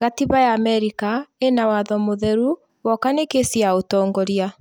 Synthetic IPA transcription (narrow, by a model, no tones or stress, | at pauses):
ɣatiβajaːmɛɾikaenawaðɔmoðɛɾu | wɔkanekesjaotɔːŋɡɔɾja